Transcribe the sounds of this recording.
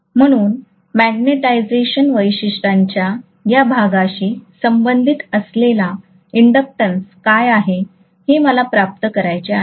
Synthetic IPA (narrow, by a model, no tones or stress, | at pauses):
m̤əɽ̃uːn | mæɡneʈajd͡zeɕənʋəjɕiʂʈaɲt͡ɕja | jabʱaɡaɕiːsəmbənd̪ʱit̪əslela | iɳɖəp̚ʈənskajaɦe | heməlapɾap̚t̪əkəɾajt͡ɕea